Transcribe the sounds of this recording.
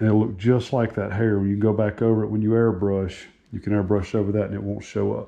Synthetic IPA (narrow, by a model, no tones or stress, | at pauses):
ɨ̃nɨtˡlʊk̚d̥ʒ̥ʌstˡlaɪk̚ðɨt̚ɦɛɹɨ̃jɨkn̩ɡoʊbækoʊvə˞ɨʔ̚wə̃njɨɛɹbɹʌʃ | jɨkʰɨ̃nɛɹbɹʌʃoʊvə˞ðɨɾɨ̃nɨʔ̚wõʊ̃ntʃoʊʌ̰p̚